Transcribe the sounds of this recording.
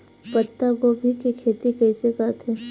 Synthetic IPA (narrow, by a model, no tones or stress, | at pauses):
pət̪ːaɡobʱikikʰeːt̪ikɛːsekɐɾt̪ʰeː